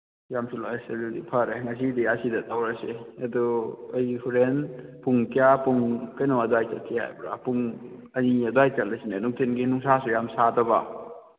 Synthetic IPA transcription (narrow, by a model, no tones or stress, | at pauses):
jamsulaseludḭpʰɐɾeŋɐs̬idijasidɐtawɾaseɐdɔːjhuɾenpuŋkijapuŋkɐjnɔwadwajt͡ʃɐlsʰiha̰jbɾa̰puŋ | ɐniɐdajt͡ʃɐlɐsinanuŋtʰenɡinuŋsasujamsadɐba̰